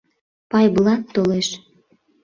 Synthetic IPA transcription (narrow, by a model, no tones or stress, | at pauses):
pɑjblˠɑt̪ːoleʃ